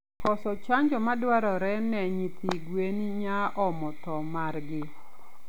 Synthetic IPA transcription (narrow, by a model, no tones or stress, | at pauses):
kɔsɔt͡ʃaɲd͡ʒɔmadwaɾɔɾɛnɛɲit̪iɡweniɲaʔɔmɔtɔmarɡɪ